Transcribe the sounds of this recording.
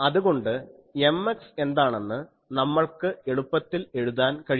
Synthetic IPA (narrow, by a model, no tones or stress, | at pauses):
ɐðuɣo̞ɳɖɨ | e̞mːekse̞nd̪aːɳenːɨ | nɐmːɐɭkɨe̞ɽupːɐt̪ːile̞ɻuðaːnkɐɻi